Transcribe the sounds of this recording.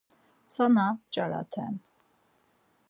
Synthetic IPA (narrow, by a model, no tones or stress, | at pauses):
t͡sanat͡ʃʼaɾa̰t̪ʰɛ̰nt̪